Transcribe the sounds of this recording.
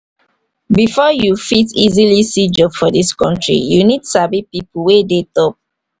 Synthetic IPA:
bifɔjufitizilisid͡ʒɔbfɔdiskɔ̃ntɹḭjunidsabipipuwedetɔp̚

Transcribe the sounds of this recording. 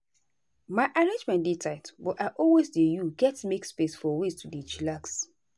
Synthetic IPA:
maɪʔaɹẽnd͡ʒmɛ̃nditʰaɪtbɔtaɪʔɔlwesdejuɡɛtmekspesfɔwestʰudit͡ʃilaks

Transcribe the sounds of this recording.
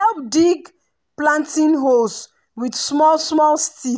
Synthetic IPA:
ɛlp̚diɡ | plãntĩnɦols | widsmɔlsmɔlsti

